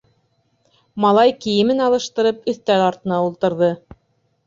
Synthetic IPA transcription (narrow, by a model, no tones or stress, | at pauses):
mɑlˠɑjkijɘ̆mɘnɑlˠɤ̆ʃt̪ɤ̆ɾɤpɵ̆θt̪æɾɑɾt̪ɤ̆nɑulˠt̪ɤ̆ɾðɤ